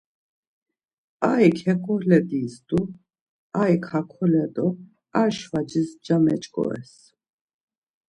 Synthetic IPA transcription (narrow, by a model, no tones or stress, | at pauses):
aikʰɛkʼɔhlɛd̪isd̪u | aikʰakʰɔlɛd̪ɔ | aʃvad͡ʒisd͡ʒamɛt͡ʃʼkʼɔ̰ɛ̰s